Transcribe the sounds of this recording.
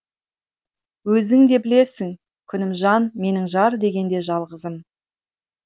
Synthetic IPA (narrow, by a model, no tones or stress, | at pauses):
wɵzɪŋd̪e̞bɪle̞sɪŋ | kʲʰʏnɪmʒɑnme̞nɪŋʒɑɾd̪e̞ɡʲe̞nd̪e̞ʒɑlˠʁəzəm